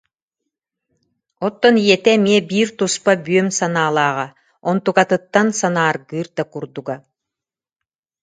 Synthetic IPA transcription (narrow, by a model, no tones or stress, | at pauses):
ɔt̪ːɔnijɛt̪ɛmiɛbiːɾt̪uspabyœmsanaːlˠaːʁa | ɔnt̪ukat̪ɯt̪ːansanaːɾɡɯːɾd̪akuɾd̪uɡa